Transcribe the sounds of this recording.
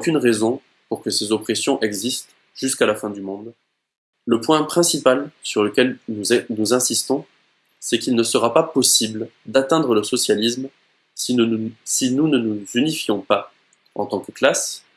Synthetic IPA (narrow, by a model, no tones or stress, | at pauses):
okʲynʁezɔ̃ | puʁkəsezɔpχesjɔ̃ʔɛɡzist̪ | ʒ̥yskalafɛ̃d̪ymɔ̃d̪ | ləpwɛ̃pχɛ̃sipalsyʁləkʲɛlnunuzɛ̃sist̪ɔ̃ | sɛkilnəsəʁapapɔsibld̪at̪ɛ̃d̪ʁələsɔsjalism | sinunənuzynifjɔ̃pa | ɑ̰̃t̪ɑ̃kəklas